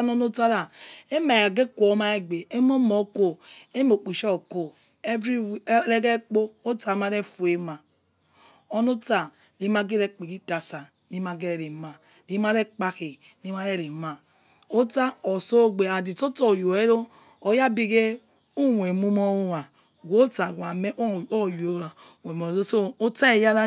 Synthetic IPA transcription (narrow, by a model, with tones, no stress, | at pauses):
no˦no˦ta˦ɾa˨e˦ma˨a˨ɡe˦kʷo˨˦ma˦e˦ɡ͡be˨e˦mo˦mo˨˦ko˨e˦mo˨k͡pi˨ʃo˦˨ko˨ | e˦vɾi˦le˦ɡe˦k͡po˦o˦ta˨ma˦ɾe˦fu˨e˨ma˨ | o˦no˦ta˨ | ni˨ma˦ɡe˦ɾe˦k͡pi˨ɡi˦ta˨sa˨ | ni˦ma˨ɡe˦ɾe˨ɾe˨ma˨ | ni˦ma˦ɾe˦k͡pa˦ke˨ | ni˦ma˦ɾe˦ɾe˨ma˨ | o˦ta˦o˨so˦ɡ͡be˨a˨di˨to˦to˨jo˨e˦ɾo˦ | o˨ja˦bi˦ɡe˦ | u˦wʷe˨mu˦mo˦wa˨ | ɡʷo˦ta˨ɡa˨me˦o˦˨jo˨˦ɾa˨ | we˨m˨o˨o˦so˦o˦ta˦e˨ja˦ɾa˦